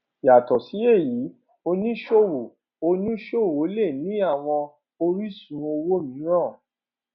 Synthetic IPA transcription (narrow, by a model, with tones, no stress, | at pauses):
ja˨tɔ˨si˨˦e˦˨ji˨˦ | o˧nĩ˦ʃo˦˨wo˨ | o˧nĩ˦ʃo˦˨wo˨˦le˦˨nĩ˨˦a˦˨w̃ɔ̃˧ | o˧ɾi˦sũ˧˦o˧wo˦mĩ˨˦ɾã˦˨